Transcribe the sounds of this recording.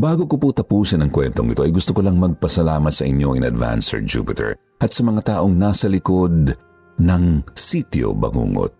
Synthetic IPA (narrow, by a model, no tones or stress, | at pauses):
baːɡokoput̪ɐpuːsɐnɐŋkwɛnt̪o̞ŋɪ̰t̪o̞ʔɐ̰jɡʊst̪okolɐŋmɐɡ̚pɐsɐlaːmɐt̪̚sɐʔɪɲjo̞ʔɪnɐ̰d̪va̰nsɛ̰ɹd͡ʒṵːpɪt̪ʰɛ̰ɹ | ʔɐt̪sɐmɐŋat̪aːʔo̞ŋnaːsɐlɪko̞d̪̚ | nɐŋsit̪jo̰bɐ̰ŋṵːŋo̰t̪̚